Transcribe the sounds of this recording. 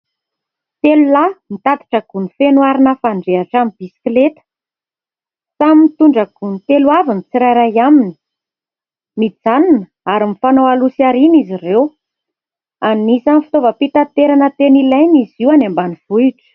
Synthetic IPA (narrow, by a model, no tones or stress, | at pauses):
t̪elulamit̪at̪i̥ʈ͡ʂəɡ̥unifenwaɾinəfaɳɖ͡ʐeaʈ͡ʂamib̥isi̥klet̪ə̥ | saminit̪uɳɖ͡ʐəɡ̥unit̪eluavinit͡siɾajɾajamini̥ | mid͡zaninə | aɾimifanowalusiaɾinizirew | annisamifi̥t̪ovəpit̪at̪eɾanət̪enilajniziwanambaniv̥uiʈ͡ʂə̥